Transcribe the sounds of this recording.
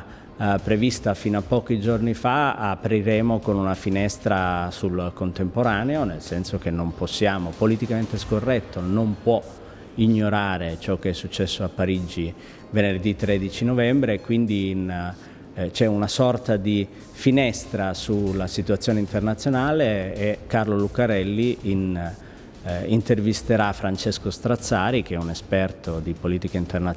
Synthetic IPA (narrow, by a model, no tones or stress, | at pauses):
pːɾevist̪afiːnoapːɔːk̟id͡ʒornifaapɾiɾeːmokonunafinɛst̪ɾasulkont̪empoɾaːneonelsɛnsok̟enːomposːjaːmopolit̪ikament̪eskorːɛt̪ʰːonompwɔ | iɲːoɾaːɾet͡ʃɔkːeɛsːut͡ʃːɛsːoapːaɾid͡ʒi | venerd̪it̪ːɾɛd̪it͡ʃinovɛmbɾekwind̪iːn | t͡ʃɛunasɔrt̪ad̪i | finɛst̪ɾasulasit̪uat̪sːjoːneint̪ernat̪sːjonaːleːkːarlolukaɾɛlːiin | int̪ervist̪eɾafːɾant͡ʃeskost̪ɾat̪sːaːɾik̟eɛunespɛrt̪ʰod̪ipoliːt̪ikaint̪erna